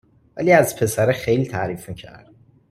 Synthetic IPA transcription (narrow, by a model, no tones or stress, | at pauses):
væ̰liːæzpʰe̞sæɾexejliːt̪ʰæɾiːfmicʰæ̰ɾd̪̥